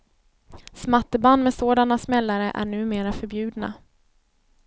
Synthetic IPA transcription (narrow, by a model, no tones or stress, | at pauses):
smat̪ːəband̪mɛsoːd̪anasmɛlːaɾə̰ʔæ̰ɳʉ̟ːmeːɾafœɾbjʉ̟ːd̪na̰